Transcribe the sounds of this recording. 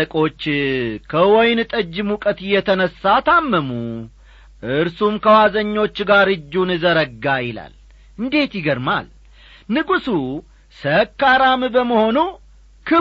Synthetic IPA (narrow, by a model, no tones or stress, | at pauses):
əkʼo̞t͡ʃːkʰəwɔjnt̪ʼəd͡ʒːɪmukʼət̪ɨjːɛt̪ʰənəsːat̪ʰamːəmu | ʔɨɾsumkʰəwazəɲːo̞t͡ʃːɡaɾɨd͡ʒːunɨzəɾəɡːajɪla̰l | ɨnd̪e̞t̪jɪɡəɾma̰l | nɨɡusu | səkːaɾambəməho̞nu | kʰɨ